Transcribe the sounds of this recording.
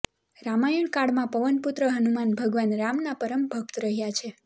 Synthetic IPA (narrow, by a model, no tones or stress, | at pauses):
ɾamajiɳkaɽmãpəʋənput̪ɾəɦənumanbʱəɡʋanɾamnapəɾəmbʱək̚t̪ɾəɦjat͡ʃʰe